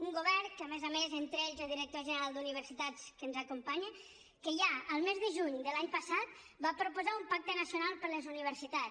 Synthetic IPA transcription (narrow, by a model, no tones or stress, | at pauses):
uŋɡuβɛrkəəmezəmezent̪ɾeʎzoðiɾək̚t̪oʒənəɾalˠd̪uniβ̞əɾsit̪at͡skənzəkumpaɲə | kəʒaəlˠmezðəʒuɲd̪əlaɲpəsat̪̚ | bapɾupuzaumpak̚t̪ənəsjunalˠpəɾləzuniβ̞əɾsit̪a